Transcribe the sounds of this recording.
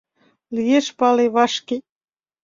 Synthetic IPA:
ljeʃpɑleβɑʃke

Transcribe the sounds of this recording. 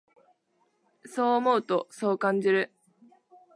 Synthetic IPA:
so̞ːmo̞ɯ̟t̪o̞so̞ːkãɲ̟d͡ʑiɾɯ̟

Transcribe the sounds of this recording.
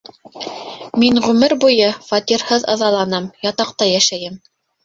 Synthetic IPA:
miŋʁʉmɘɾbujɤfɑt̪iɾhɤðɤ̰̆ðɑlˠɑnɤmjɑt̪ɑq̚t̪ɑjæʃæjɘm

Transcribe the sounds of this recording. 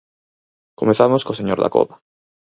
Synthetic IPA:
komeθamoskoseɲoɾða̰ko̰βa

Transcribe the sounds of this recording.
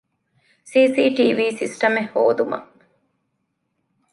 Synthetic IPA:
siːsiːʈiːʋiːsisʈɐmehːo̰ːd̪umɐ̰

